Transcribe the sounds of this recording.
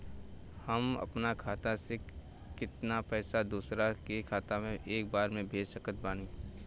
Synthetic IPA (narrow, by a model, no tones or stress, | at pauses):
həmɐ̰pnakʰaːt̪ase | kɪt̪napɛːsad̪uːsɾakekʰaːt̪amẽʔeːk̚baːɾmẽbʱeːd͡ʒsəkət̪̚bãːn